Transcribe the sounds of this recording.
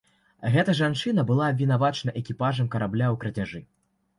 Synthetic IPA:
ɣɛt̪ɐʐant͡ʂɨnɐbɨlˠaːbʲvʲin̪avat͡ʂnɐʔɛkʲipaʐɐmkɐɾablʲawkɾɐd͡zʲaʐɨ

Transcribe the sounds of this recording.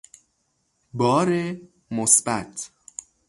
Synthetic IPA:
bɒːɾe | mosbæt̪ʰ

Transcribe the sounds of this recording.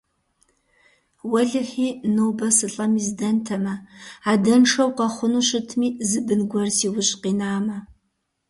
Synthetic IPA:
wɐɮɨχiːnoːbɐsɨɬʼɐmiːzdɐntʰɐmɐaːdɐnʂɐwqɐχʷʊnuːɕɪtʰmiːzɨbɨnɡʷɔrsiːwʊɕʼqiːnaːmɐ

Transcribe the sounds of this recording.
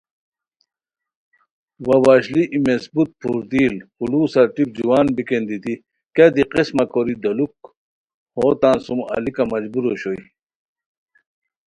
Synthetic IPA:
wɐwaːɕliʔimesbut̪̚pʰuɾd̪iːlhuluːsɐʈip̚d͡ʑiwaːnbikend̪it̪i | kad̪iqismɐkoɾid̪ɐluk | hoːt̪ansumɐ̰likɐmɐd͡ʑbuɾoɕoj

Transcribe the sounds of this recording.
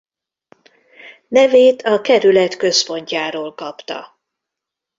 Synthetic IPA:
nɛveːt̪ʰɒkɛɾylɛt̪kø̞spo̞ɲcaːɾoːlkɒpt̪ɒ̰

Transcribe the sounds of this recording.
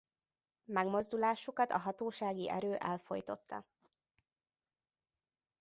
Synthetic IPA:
mɛɡmo̞zd̪ulaːʃukɒt̪ɒ̰ɦɒt̪oːʃaːɡiʔɛ̰ɾøːʔɛlfo̞̰jt̪o̞t̪ːɒ̰

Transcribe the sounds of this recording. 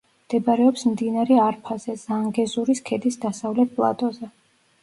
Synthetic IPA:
md̪̥ɛbaɾɛɔpsmd̪inaɾɛaɾpʰazɛzaŋɡɛzuɾiskʰɛd̪isd̪asavlɛt̪̚pʼlˠa̰t̪ʼɔzɛ

